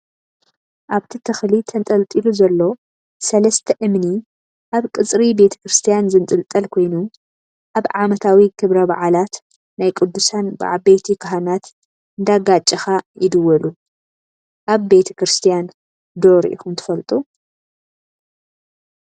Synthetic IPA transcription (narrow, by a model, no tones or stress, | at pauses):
ʔaβt̪ʰit̪ʰɨxlit̪ʰɐnt̪ʼɐlt̪ʼiluzɐlːo̞ | sɐlɐst̪ʰɐʔɨmni | ʔaβkʼɨt͡sʼɾibe̞t̪ʰɐ̥kɾɨst̪ʰijanzɨnt̪ʼɨlt̪ʼɐlkʰo̞jnu | ʔaβʕamɐt̪ʰawikʰɨβɾɐba̰ʕalat̪ | najkʼɨd̪ːusanbɨ̰ʕabejt̪ʰikʰɐɦanat̪ | ɨnd̪aɡat͡ʃʼːɐxajɪd̪ɨwːɐlu | ʔaβbe̞t̪ʰɐ̥kɾɨst̪ʰijan | d̪o̞ɾ̰ʔḭxumt̪ʰɨ̥fɐlt̪ʼu